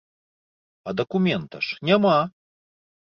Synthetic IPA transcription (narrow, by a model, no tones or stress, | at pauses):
ɐd̪ɐkumʲɛnt̪ɐ̰ʂnʲama